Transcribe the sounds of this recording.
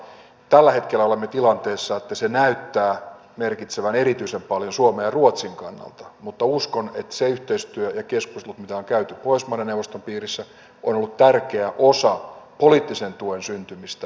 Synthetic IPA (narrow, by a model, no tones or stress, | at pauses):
t̪ælːæhe̞t̪kelːæolemːet̪ilɑnt̪eːsːɑet̪ːæsenæyt̪ːæː | merkit̪seʋæneɾit̪yisempɑljonsuomejɑruot̪siŋkɑnːɑ̰lt̪ɑmut̪ːɑuskonet̪seyht̪eist̪yøjɑkeskust̪lut̪mit̪æoŋkæyt̪ypoismɑneneuwʋost̪ompiːrisːæ | onolːut̪t̪ærkeæʔosɑpoliːt̪ːisent̪uensynt̪ymist̪æ